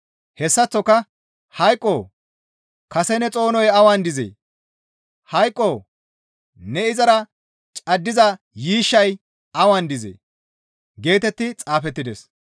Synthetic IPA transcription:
hɛsːɐt͡sːɔkːɐ | hɐjkʼːoː | kɐsɛnɛt͡sʼo̞ːnɔjɐwand̪ɪzḛː | hɐjkʼːoː | nɛɪzɐɾɐ | t͡ʃʼɐd̪ːɪzɐ | jiːʃːɐj | ɐwand̪ɪzḛː | ɡe̞ːt̪ɛt̪ːɪt͡sʼaːfɛt̪ːɪd̪ɛs

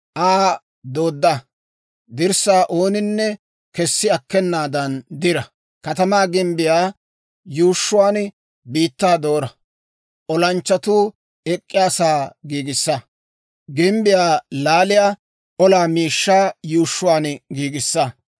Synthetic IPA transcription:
ʔaː | d̪oːd̪ːa | d̪ɪɾsaːʔo̞ːnɪnːɛ | kɛsːɪɐkːɛnːaːd̪ɐnd̪ɪɾɐ | kɐt̪ɐmaːɡɪmbɪjaː | juːʃːʊwaːn | biːt̪ːaːd̪o̞ːɾɐ | ʔɔlɐnt͡ʃːɐt̪uː | ɛkʼːɪjaːsaːɡiːɡɪsːɐ | ɡɪmbɪjaːlaːlɪjaː | ʔɔlaːmiːʃːaːjuːʃːʊwaːnɡiːɡɪsːɐ

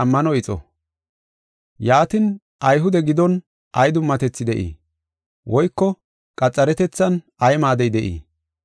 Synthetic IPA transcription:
ɐmːɐnɔɪt͡sʼɔ̰ | jaːt̪ɪn | ʔɐjɦʊd̪ɛɡɪd̪ɔn | ʔɐjd̪ʊmːɐt̪ɛt͡sːɪd̪ɛʔḭː | wʔɔjkːɔ | kʼɐt͡sʼːɐɾɛt̪ɛt͡sːɐn | ɐjmaːd̪ɛjd̪ɛʔḭː

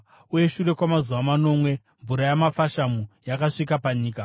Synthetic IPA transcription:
uje̞ʃure̞kwamazuʋamano̞mwe̞ | ɱvuɾajamafaʃamujakaʂikapaɲiːka

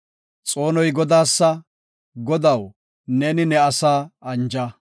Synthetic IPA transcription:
t͡sʼo̞ːnɔjɡɔd̪aːsːɐ | ɡɔd̪ɐw | neːnɪnɛɐsaːɐnd͡ʒɐ

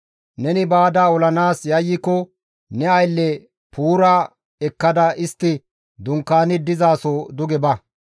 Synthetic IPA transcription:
nɛnɪbaːd̪aɔlɐnaːsjɐjːɪkːɔ | nɛɐjlːɛ | pʰuːɾa | ɛkːɐd̪ɐɪst̪ːɪ | d̪ʊŋkːaːnɪd̪ɪzaːsod̪ʊɡɛbɐ

